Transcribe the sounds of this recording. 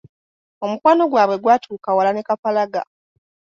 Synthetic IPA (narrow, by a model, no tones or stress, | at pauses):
o̞mukwaːno̞ɡwaːβwe̞ɡwaːtʰuːkawalanekafalaɡa̰